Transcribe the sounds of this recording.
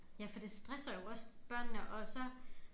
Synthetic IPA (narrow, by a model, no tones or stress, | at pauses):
jæfɒ̽d̥e̝sd̥ʁɛsɐjo̝ɒ̽sb̥ɶɐ̰nːəʔɒ̽sə